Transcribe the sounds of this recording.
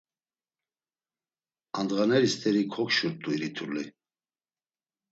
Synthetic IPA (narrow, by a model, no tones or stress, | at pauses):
and̪ʁanɛɾist̪ʰʼɛɾikʰɔkʃuɾt̪ʼuiɾit̪ʰuɾli